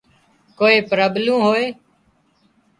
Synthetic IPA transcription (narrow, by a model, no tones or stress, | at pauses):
koːeːpɾəblũːɦoːeː